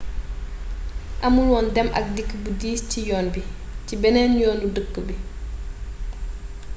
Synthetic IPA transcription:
ʔɐmulwɔndɛmʔɐ̰k̚dikːbudiːscijɔːnbi | cibɛnɛnjɔːndudəkːəbi

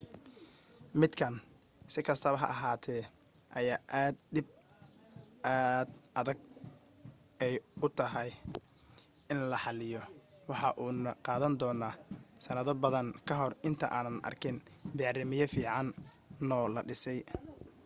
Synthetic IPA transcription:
mɪd̪kʰɐn | sɪkʰɐst̪ʰɐβɐɦɐ̰ʔɐɦaːt̪ʰɛː | ʔɐjaːʔaːd̪d̪ɪb̚ | ʔaːd̪ʔɐðɐɡ̚ | ɛjʊt̪ʰɐɦɐj | ɪnlɐħɑlɪjɔwɑħɑʔuːnɐqɑːðɐnd̪ɔːnaːsɐnɐðɔbɐðɐŋkʰɐɦɔrɪnt̪ʰɐʔaːnɐnʔɐ̰rkʰɪnbɛʕrɪmɪjɐfiːʕɑnː | ɔːlɐɖɪsɛj

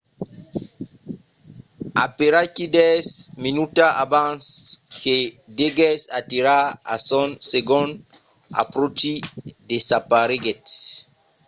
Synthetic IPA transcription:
apeɾakid̪ɛsminut̪aʔabãnske | d̪eɡɛsat̪iɾaa̰sõnseɡõn | a̰pɾot͡ʃid̪esapaɾiɡet̪s

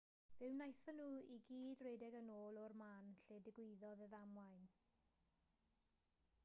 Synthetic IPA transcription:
v̥ɪwnajθənuːiɡiːdreːdɛɡənoːlˠɔrmaːnɬeːdɪɡwɪðɔðəðamwajn

